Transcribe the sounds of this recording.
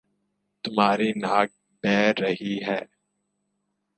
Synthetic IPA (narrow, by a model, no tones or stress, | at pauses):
t̪ʊmɦaːɾinaːk̚ | pɛːɾːɐɦiɦɛː